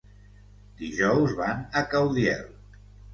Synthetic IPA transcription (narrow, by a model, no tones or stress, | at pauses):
d̪iʒɔwzβanəkawðiɛ̰lˠ